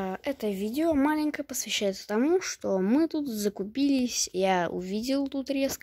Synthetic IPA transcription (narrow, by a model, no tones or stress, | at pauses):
ɛt̪əvʲidʲɪomalʲɪnʲkəpəsvʲɪɕːæjɪt̪sə̥t̪ɐmuʂt̪omɨt̪ut̪zəkʊpʲilʲɪsʲjaʊ̰vʲidʲɪlˠt̪ut̪ɾʲe̞sk